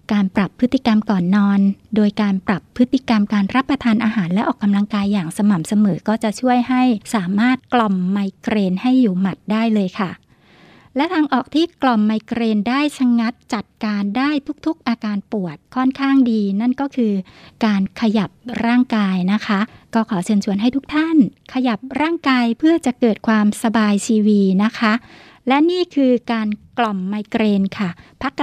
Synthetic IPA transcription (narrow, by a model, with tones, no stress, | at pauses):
kaː˧npɾa˨˩pʰːɯ˦˥t̪ːi˨˩ka˧mkɔː˨˩nːɔː˧ndoː˧jkaː˧npɾa˨˩pʰːɯ˦˥t̪ʰːi˨˩ka˧mkaː˧nɾa˦˥pːɾa˧t̪ʰaː˧nʔaː˧ɦaː˩˦nlɛ˦˥ʔɔː˨˩kːa˧mla˧ŋkaː˧jːaː˨˩ŋsa˧ma˨˩msa˧mɤː˩˦kɔː˥˩t͡ɕa˨˩t͡ɕʰu˥˩əjha˥˩jsaː˩˦maː˥˩t̪̚klɔ˨˩mːa˧jkɾeː˧nha˥˩jːuː˨˩ma˨˩t̪̚daː˥˩jlɤː˧jkʰa˥˩ | lɛ˦˥t̪ʰaː˧ŋʔɔː˨˩k̚t̪ʰiː˥˩klɔ˨˩mːa˧jkɾeː˧ndaː˥˩jsʰa˧ŋa˦˥t̪̚t͡ɕa˨˩t̪̚kaː˧ndaː˥˩jt̪ʰu˦˥k̚t̪ʰu˦˥k̚ʔaː˧kaː˧npu˨˩ət̪̚kʰɔ˥˩nkʰaː˥˩ŋdiː˧na˥˩nkɔː˥˩kʰɯː˧kaː˧nkʰa˧ja˨˩p̚ɾaː˥˩ŋkaː˧jna˦˥kʰa˦˥kɔː˥˩kʰɔː˩˦t͡ɕʰɯː˧nt͡ɕʰu˧ənɦa˥˩jt̪ʰu˦˥k̚t̪ʰa˥˩nkʰa˧ja˨˩p̚ɾaː˥˩ŋkaː˧jpʰɯ˥˩ɐt͡ɕa˨˩ʔkɤː˨˩t̪̚kʰwaː˧msa˧baː˧jt̪ʰiː˧wiː˧na˦˥kʰa˦˥ | lɛ˦˥niː˥˩kʰɯː˧kaː˧nklɔ˨˩mːaː˧jkɾeː˧nkʰa˥˩pʰa˦˥kː